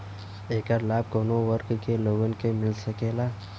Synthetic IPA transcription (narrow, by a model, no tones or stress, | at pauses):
eːkəɾlaːb̚konowəɾkkeloɡənkemɪlsɐkeːlaː